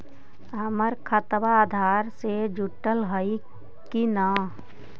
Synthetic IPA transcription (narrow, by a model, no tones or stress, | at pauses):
ɐməɾkʰət̪ʋaːd̪ʱaːɾsed͡ʒʊʈːəlɦəi | kina